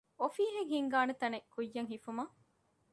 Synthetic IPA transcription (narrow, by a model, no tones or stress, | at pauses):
ofiːɦeŋhiŋɡaːnɐt̪ɐnekːujːɐŋɦifumɐ